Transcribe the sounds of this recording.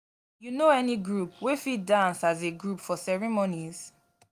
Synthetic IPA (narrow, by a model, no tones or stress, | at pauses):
junoɛniɡɹupwefidãnsazeɡɹupfɔsɛɹimoniz̥